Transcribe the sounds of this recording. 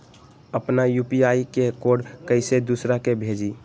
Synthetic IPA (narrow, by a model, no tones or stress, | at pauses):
əpnajupiaikekoɖkəɪsed̪usɾakebʱed͡ʒi